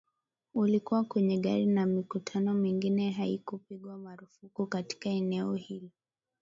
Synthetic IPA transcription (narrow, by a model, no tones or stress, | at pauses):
ulikuwakwɛɲɛɠaɾinamikutʰanɔmiŋɡinɛɦaikupiɠwamaɾufukukati̥kaɛnɛɔhili